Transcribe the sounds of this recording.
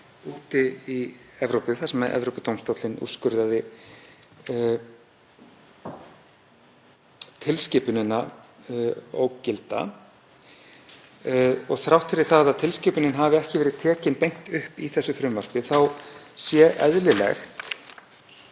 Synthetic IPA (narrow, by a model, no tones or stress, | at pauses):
uːt̪ɪiɛvɾowpɪθasmːɛðʔɛ̰vɾowpɪt̪owmst̪owt̪lɪnṵskʏɾðaðɪ | t̪ʰɪlscɪːpʏnɪnːa | o̰wcɪlt̪a̰ | ɔɣθɾawht̪fɪɾɪɾ̥θaðaðt̪ʰɪlscɪːpʏnɪnɦavɪɛhcɪvɛːɾɪðt̪ʰɛːcɪnpejŋ̥t̪ʏhpiθɛsːʏfɾʏmvar̥pɪθawsjɛʔɛðlɪlɛ̰xt̪